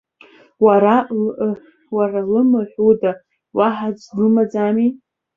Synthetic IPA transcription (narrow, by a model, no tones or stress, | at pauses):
waɾa | waɾalɨmɨħʷuda | waħad͡ʒʷlɨmad͡zami